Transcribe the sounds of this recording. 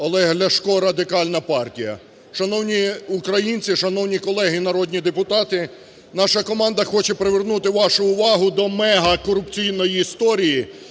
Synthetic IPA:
ɐlˠɛɦlʲɐʃkɔɾɐd̪ɪkɑlʲnɐpɑrtʲijɐ̰ | ʃɐnɔwnʲiʊkɾɐjinʲt͡sʲiʃɐnɔwnʲikɔlˠɛɦɪnɐɾɔd̪ʲnʲid̪epʊt̪ɑt̪ɪ | nɑʃɐkɔmɑnd̪ɐxɔt͡ʃɛpɾeʋernut̪ɪʋɑʃʊʊʋɑɦʊd̪ɔmɛɦɐkɔɾʊpt͡sʲijnɔjiːst̪ɔɾʲiji

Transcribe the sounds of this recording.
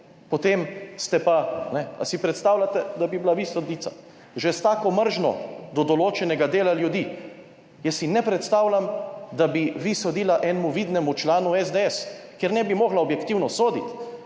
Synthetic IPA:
pɔt̪emst̪ɛpanɛa̰sipɾɛt̪st̪aːwlat̪ɛd̪abibilaʋisod̪iːt̪sa̰ | ʒɛst̪aːkɔməɾʒnɔ̰d̪ɔd̪ɔloːt͡ʃɛnɛɡad̪eːlaljud̪i | jɛsːinɛpɾɛt̪st̪awlamd̪abiʋisod̪iːlaʔɛnmuʋiːd̪nɛmut͡ʃlaːnuɛzd̪eɛskjeɾnɛbimɔɣlaɔbjɛkt̪iwnɔsoːd̪ḭt̪

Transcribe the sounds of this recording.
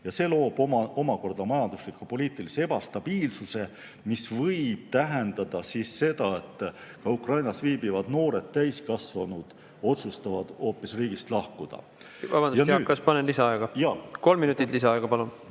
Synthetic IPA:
jɑse̞lo̞ːb̥omɑo̞mɑko̞rd̪̥ɑmɑjɑnd̪uslikːˑupo̞liːt̪ˑiliseeb̥ɑst̪ɑb̥iːlsuse̞ | misvɤjb̥̚t̪æɦe̞nd̪̥ɑd̪̥ɑsisːe̞d̪̥ɑe̞t̪ːˑkɑukrɑjnɑsviːbivɑd̪̥no̞ːɾe̞d̪̥t̪æjskɑsvɑnud̪̥ | o̞t̪sust̪ɑvɑd̪̥o̞ːpːˑisriːɡist̪lɑhkud̪̥ɑ̰ | vɑbɑnd̪jɑːkːɑspɑnenlisɑɑeɡ̥ɑjɑːko̞lmːinut̪ːˑit̪lisɑɑeɡ̥ɑpɑlun

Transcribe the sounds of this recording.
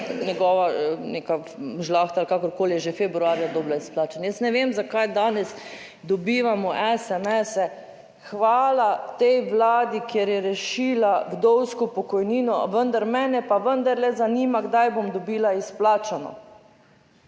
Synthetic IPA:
nʲɛɡɔːʋaneka | ʒlaːxt̪aːlkakɔɾkoːlijɛʒefɛbɾuaːɾjad̪ɔːblaisplaːt͡ʃanjəsnɛʋeːmzakajd̪aːnɛs | d̪ɔbiːʋamɔʔɛsɛmɛsɛ | xʋaːlat̪ɛjʋlaːd̪ikjeɾjɛɾɛʃilaɡd̪ɔwskɔpɔkɔjniːnɔ̰ʋənd̪aɾmɛːnɛpaʋənd̪aɾlɛzaniːmaɡd̪ajbomd̪ɔbiːlaisplaːt͡ʃanɔ̰

